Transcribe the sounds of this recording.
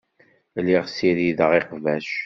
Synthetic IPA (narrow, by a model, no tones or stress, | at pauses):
liʁsiɾiðəʁɪqvæʃ